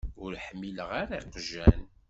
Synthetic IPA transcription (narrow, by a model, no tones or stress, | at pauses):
ʊɾħmːiləʁaɾaiqʒæn